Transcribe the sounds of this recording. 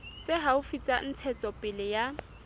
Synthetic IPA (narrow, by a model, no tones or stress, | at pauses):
t͡sʼeɦaʊfit͡sʼan̩t͡sʰɛt͡sʼɔpʼɪlɪja